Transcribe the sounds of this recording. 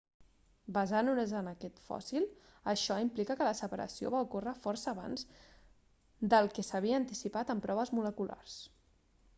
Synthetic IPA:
bəzanunezənəkɛt̪fɔ̰silˠ | əʃɔimplikəkələsəpəɾʔə̰sio̰βaukorəfɔrsəːβa̰nz | d̪əlˠkɛsəβ̞iəːnt̪isipat̪əmpɾɔβəzmuləkula̰rs

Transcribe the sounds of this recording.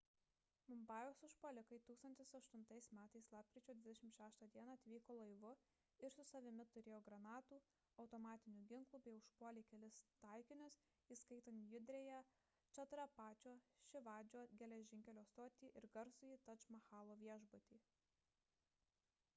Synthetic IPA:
mʊmbɑːjʲoːsʊʃpolʲɪkɐɪt̪uːkst̪ɐnʲt̪ʲɪsɐʃt̪ʊnt̪ɐɪsmʲæːt̪ɐɪslˠɑːp̚ʲkʲɾʲiːt͡ʃʲoːd̪ʋʲɪd̪ʲɛʃʲɪmʃʲæːʃt̪ɑːd̪ʲiɛnɑɐt̪ʲʋʲiːkoːlˠɐɪʋʊ | ɪɾsʊsɐʋʲɪmʲɪt̪ʊɾʲeːjoːɡɾɐnɑːt̪uː | ɐʊt̪ɔmɑːt̪ʲɪnʲuːɡʲɪŋklˠuːbʲɛɪʊʃpuɔlʲeɪkʲɛlʲɪst̪ɑˑɪkʲɪnʲʊs | iːskɐɪt̪oːnʲjʊd̪ʲɾʲɛjɛ | t͡ʃʲɐt̪ɾɐpɑːt͡ʃʲoːʃʲɪʋɑːd͡ʒʲoːɡʲɛlʲɛʒʲɪŋʲkʲɛlʲoːst̪oːt̪ʲiːʔɪɾɡɐɾsʊiːt̪ɐt͡ʃmɐxɑːlˠoːʋʲiɛʒbʊt̪ʲiː

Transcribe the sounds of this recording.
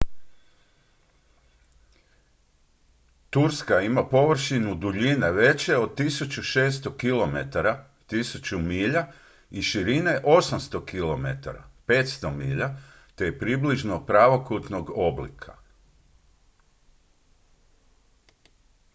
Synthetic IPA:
t̪uɾskaimapo̞ʋr̩ʃinud̪uʎineʋe̞t͡ɕe̞o̞d̪̚t̪isut͡ɕuʃe̞ːst̪o̞kilo̞me̞t̪aɾa | t̪isut͡ɕumiːʎa | iʃiɾine̞ʔo̞samst̪o̞kilo̞me̞t̪a̰ɾa̰pe̞ːt̪st̪o̞miːʎa | t̪e̞jepɾibliʒnopɾaʋo̞kut̪no̞ɡo̞blḭkʰa

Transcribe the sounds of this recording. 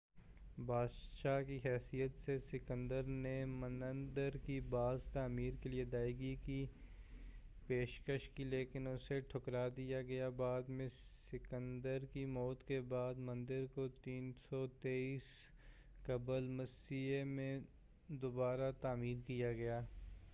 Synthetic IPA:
bʱaːdʃaːkiɦɛːsijət̪sesɪkə̃nd̪əɾnemə̃nə̃nd̪əɾkibaːzt̪aːmiːɾkelied̪aːiɡiki | peːʃkəʃkileːkɪnʊseʈʰʊkɾad̪ijaɡɐjabaːd̪mẽsɪkə̃nd̪əɾkimɔːt̪kebaːd̪mɐ̃nd̪ɪɾkot̪iːnsɔt̪eːiːs | kɐbəlmɐsiemẽ | d̪obaːɾat̪aːmiːɾkijaɡɐjaː

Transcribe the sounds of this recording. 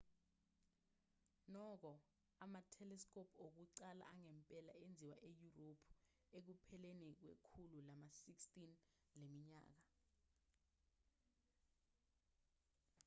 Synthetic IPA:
nɔk̬ɔ | amatʰɛlɛskʰʼopʰok̬uǀala̰ʔaŋɛmpʼɛla̰end͡zʱiwaʔejuropʰ | ek̬upʰɛlenik̬wḛkʰululamasikstʼin | lemiɲa̰ːk̬a

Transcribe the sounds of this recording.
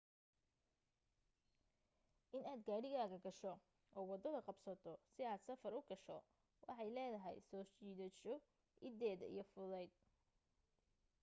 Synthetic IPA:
ʔɪnaːd̪ɡaːɽɪɣaːɣɐɡɐʃɔ | ʔɔːwɑd̪ɔðɐqɑbsɐt̪ʰɔsɪaːd̪sɐfɐɾʊɡɐʃɔ | wʔɑ̰ħɑjlɛːðɐɦɛ̰jsɔːt͡ʃiːðɔʃɔ | ʔɪd̪ɛːðɐḭjɞfʊðɛjd̪̚

